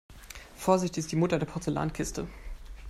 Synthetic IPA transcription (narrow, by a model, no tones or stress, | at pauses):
foːɐzɪçtɪçɪstd̥iːmʊtɐdeːɐpʰɔɐt͡sela̰ːnkʰɪstə